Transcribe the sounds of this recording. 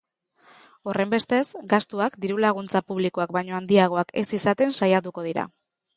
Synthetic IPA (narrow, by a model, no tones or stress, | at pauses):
o̞re̞mbe̞st̪e̞sɡast̪uakd̪iɾulaɣ̞unt͡sapuβlikoak̚bajɲo̞and̪iaɣ̞o̞ake̞̰sisat̪e̞nsajat̪̬uko̞ð̞iɾa̰